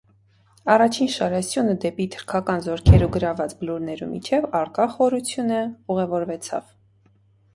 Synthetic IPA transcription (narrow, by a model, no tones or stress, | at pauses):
ɑrɑt͡ʃʰinʃɑɾɛsjunəd̪ɛpit̪ʰə̥ɾkʰɑkɑnzɔɾkʰɛɾuɡəɾɑvɑt͡sbəluɾnɛɾṵmḭt͡ʃʰɛvɑɾkɑχɔɾut͡sʰjunəuʁɛvɔɾvɛt͡sʰɑ̰v̥